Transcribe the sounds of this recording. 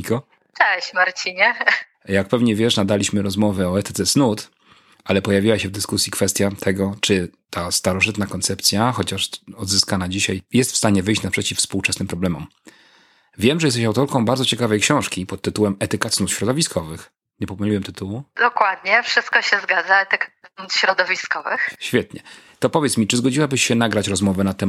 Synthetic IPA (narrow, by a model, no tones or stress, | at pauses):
ikɔ | t͡ʂɛɕmaɾt͡ɕiɲɛ | jak̚pɛvɲɛvʲjɛʂnad̪alʲiɕmɘɾɔzmɔvɛɔɛt̪ɛɛt̪snut̪ | ʔalɛpɔjavʲiwaɕɛvd̪ɘskusʲjikfɛst̪ʲjat̪ʰɛɡɔt͡ʂɘt̪ʰast̪aɾɔʐɘt̪nakɔnt̪sɛpt̪sʲjaxɔt͡ɕaʂɔd̪zɘskanad͡ʑiɕajjɛst̪fst̪aɲɛvɘjɕt͡ɕnapʂɛt͡ɕifspuwt͡ʂɛsnɘmpɾɔblɛmɔm | vʲjɛmʐɛjɛst̪ɛɕawt̪ɔɾkɔ̃w̃baɾd̪zɔt͡ɕɛkavɛjkɕɔ̃w̃ʂkʲipɔt̪̚ːɘt̪uwɛmɛt̪ɛkat̪snusɕɾɔd̪ɔvʲiskʰɔvɘx | ɲɛpɔpɛwɲiwɛmt̪ɘt̪uwud̪̥ɔkwad̪̚ɲɛfʂɨst̪̚kɔɕɛzɡad̪zaɛt̪ɛkanut̪ɕɾɔd̪ɔvʲiskɔvɘxɕfʲjɛt̪ɲɛt̪ɔpɔvʲjɛt̪smʲit͡ʂɘzɡɔd͡ʑiwabɘɕɕɛnaɡɾat͡ɕɾɔzmɔvɛnat̪ːɛ